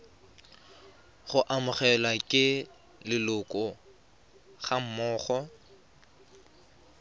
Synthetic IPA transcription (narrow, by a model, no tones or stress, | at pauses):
χʊʔamʊχɛlakʼɪ | lɪlʊkʼɔ | χam̩mɔːχɔ